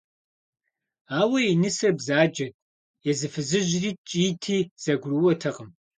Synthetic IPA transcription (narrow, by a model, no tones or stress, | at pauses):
aːwɐjinɨsɐrbzaːd͡ʒɐtʼ | jɛzɨfɨzɨʑriːt͡ʃʼiːtʰiːz̥ɐɡʷruwɔtʰɐʁəm